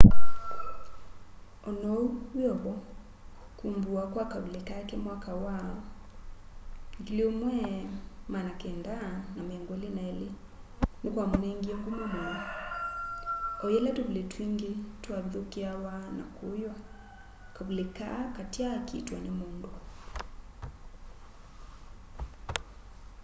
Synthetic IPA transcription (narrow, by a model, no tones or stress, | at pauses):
ɔnɔuwjɔβɔ | kumbuakwakaβulekakɛmwakawaɔ | ŋɡileomwɛmanakɛndanamɛŋɡwolenaɛle | nokwamonɛŋɡiɔŋɡomɔmaa | ɔjɛlɛtoβiletwiŋɡetwaβiðokeawana̰kʰojwa | kaβuleka̰katjakitwanemondo